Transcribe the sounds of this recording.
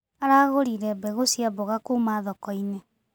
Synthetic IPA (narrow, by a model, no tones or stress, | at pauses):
aɾaɣoɾiɾɛbɛɣosjaboɣakumaðɔkɔine